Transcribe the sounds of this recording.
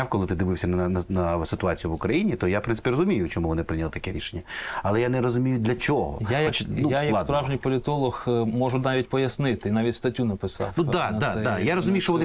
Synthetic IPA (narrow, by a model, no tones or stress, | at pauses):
wkɔlˠɪt̪ɪd̪ɪʋɪwsʲɐnnɐnɐsɪt̪ʊɑt͡sʲijʊʋʊkɾɐjinʲit̪ɔjapɾɪnsɪ̥pʲirɔzʊmʲijʊt͡ʃɔmuʋɔnɪpɾɪnʲɐlˠɪt̪ɐ̥kɛɾʲiʃenʲːɐɐlˠɛjanɛɾɔzʊmʲijʊd̪lʲɐt͡ʃʲɔɦɔ̰jajɐk̪ujajɐkˠspɾɑwʒnʲijpɔlʲɪt̪ɔlˠɔxmɔʒʊnɑʋʲit̚ʲpɔjɐsnɪt̪ɪnɑʋʲitʲst̪ɐtʲːunɐpɪsɑ̰wnud̪anɐdɛajaɾɔzʊmʲijʊʃt͡ʃɔʋɔnɪ